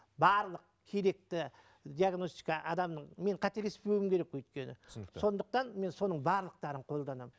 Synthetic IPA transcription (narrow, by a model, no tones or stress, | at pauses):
bɑɾlˠəq̚ | kʲʰe̞ɾe̞k̚t̪ɪ | d̪iaɡno̞st̪ijkɑʔɑd̪ɑmnəɴme̞ɴqʰɑt̪e̞lespewɪmkʲʰe̞ɾekwɵjt̪̚kʲe̞nɪ̰so̞nd̪əq̚t̪ɑnme̞nso̞nəɴbɑɾlˠəq̚t̪ɑɾəɴqʰo̞lˠd̪ɑnɑm